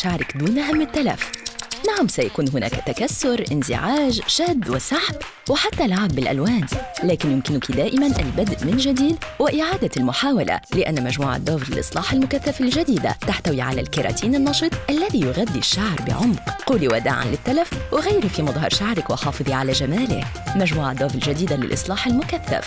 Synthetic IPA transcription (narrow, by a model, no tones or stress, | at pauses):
ʃaʕɾɪkd̪uːnʔaɦamːɪt̪ːala̰fnaʕamsajakuːnɦʊna̰ːkt̪akasːʊɾʔɪnzɪ̰ʕaːʒʃaːd̪ːwɪsaħb | wɪħat̪ːalʕʕabːɪlʔa̰lwaːnlaːkɪnjʊmkɪnʊkid̪aːʔɪmanʔalbad̪ʔmɪnʒad̪iːd̪wɪʔɪʕaːd̪almʊħaːwala̰lɪʔanːmaʒmuːʕa̰d̪ːɑːvlɪ̰lʔɨ̰sˤlɑːħalmʊkaθːafalʒad̪iːd̪a̰t̪aħt̪awiʕala̰lkɑɾˤɑ̰ːt̪ʰiːnɪnːɑʃɨt̪ˤʔalːaðiːjʊɣad̪ːiʃːaʕɾˤbɪ̰ʕʊmqquːliwad̪a̰ːʕa̰nlɪt̪ːalafwɪɣajɾifimɑðˤɦɑ̰ɾˤʃaʕɾɪkwɪħɑːfɨðˤiʕalaʒamaːlɪ̰kmaʒmuːʕad̪ˤːɑːvɪlʒad̪iːd̪alɪ̰lʔɨ̰sˤlɑːħalmʊkaθːa̰f